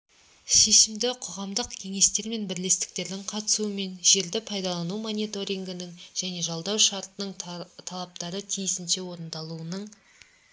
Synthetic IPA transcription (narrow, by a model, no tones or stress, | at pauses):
ʃe̞ʃɪmd̪ɪqʰoʁɑmd̪əqkʲʰe̞ŋe̞st̪e̞ɾme̞nbɪɾle̞st̪ɪ̥k̚t̪e̞ɾd̪ɪŋqʰɑt̪ə̥suəme̞nʒe̞ɾd̪ɪpʰɑjd̪ɑlˠɑnumo̞nijt̪o̞ɾijŋɡənɪŋʒ̥æne̞ʒɑlˠd̪ɑwʃɑɾt̪ənəɴt̪ʰɑlˠɑp̚t̪ɑɾət̪ʰijɪsɪnʃe̞wo̞ɾənd̪ɑlˠuənəɴ